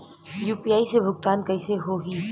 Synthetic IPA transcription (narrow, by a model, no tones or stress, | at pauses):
juːpijaːisebʱʊɡt̪aːnkɐɪseɦoɡiː